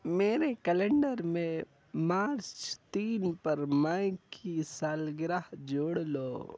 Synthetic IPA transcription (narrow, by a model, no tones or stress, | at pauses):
meːɾekəlẽɳɖəɾmẽ | maːɾt͡ʃt͡ʃt̪iːnpɐɾmãkkʰisaːlɡɾaɦd͡ʒoːɽlo̰ː